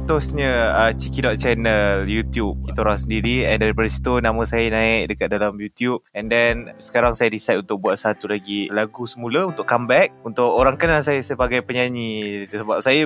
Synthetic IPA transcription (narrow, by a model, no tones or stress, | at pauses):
t̪ʊsɲə̃ət͡ʃikidɔt̪̚t͡ʃɛnəljut̪jup̚kit̪aɾaasəndiɾiɛndaɾipadasi̥t̪unãmə̃sajanãɪk̚dəkat̪̚dalamjut̪jup̚ɛndɛnsə̥kaɾaŋsajaɾisat̪̚unt̪ʊk̚buat̪̚sat̪ulaɡilaɡusəmũlaunt̪ʊʔkambɛk̚unt̪ʊkoɾaŋkənasajasəbaɡajpəɲaɲit̪əsəbap̚saja